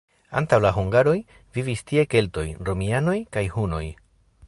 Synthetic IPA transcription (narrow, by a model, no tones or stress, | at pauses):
a̰ntawlaɦuŋɡaɾo̞j | vivistie̞ke̞lto̞jɾo̞miano̞jkajhuno̞̰j